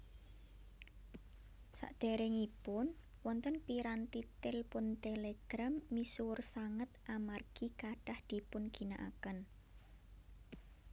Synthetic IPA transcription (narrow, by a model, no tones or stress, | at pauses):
sa̰ʔd̪̥e̤ɾɪŋipʊn | wɔnt̪ənpiɾant̪it̪ɪlpʊnt̪eleɡ̥ɾamːisuʊrsaŋət̪ʔamarɡ̥ikaɖ̥ahd̪̥i̤pʊnɡ̥i̤naʔa̰kən